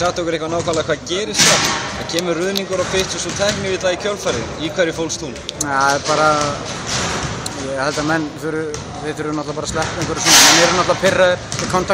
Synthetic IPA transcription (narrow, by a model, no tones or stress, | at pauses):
saht̪ɔwkʏɾehkvanaːwkʰalaðkʰvaːðcɛːɾɪst̪aacʰɛːmʏrʏðniŋkʏɾawfɪht̪sɔsɔt̪ʰɛhknɪvɪt̪aicʰœlfaɾɪðikʰvɛɾjɪfowlst̪unɛpaːɾa | jɛhɛlt̪amɛnːfʏɾʏ | vɪθʏɾʏnɔt̪lapaɾaslɛhpɛŋkʰvɛɾɪsɔːnaɛnɛɾʏnɔt̪lapʰɪrːaðɪɾkʰɔnt̪ʰa